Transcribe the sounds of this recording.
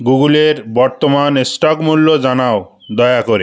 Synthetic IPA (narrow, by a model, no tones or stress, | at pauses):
ɡuɡuleɾbɔɾt̪omanesʈɔkmulːod͡ʑanao | d̪ɔjakoɾe